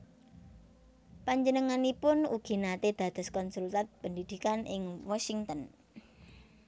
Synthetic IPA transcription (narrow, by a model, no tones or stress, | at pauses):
paɲd͡ʒənəŋanipʊnṵɡ̥i̤nat̪ed̪̥ä̤d̪̥a̤skɔnsult̪at̪̚pəndid̪̥i̤kanʔɪŋwɔsiŋt̪ən